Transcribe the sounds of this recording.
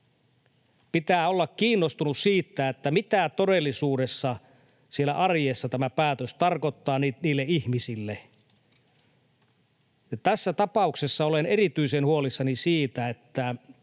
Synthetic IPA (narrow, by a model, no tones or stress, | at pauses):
pit̪æːolːɑkkiːnːost̪unussiːt̪ːæet̪ːæmit̪æt̪odelːisuːdesːɑ | sielæ̰ʔɑrjeːsːɑt̪æmæpæːt̪øst̪ɑrkot̪ːɑːniniːlːeihmisilːe | jɑt̪æsːæt̪ɑpɑuksesːɑolenerit̪yisenhuolisːɑnisiːt̪æet̪ːæ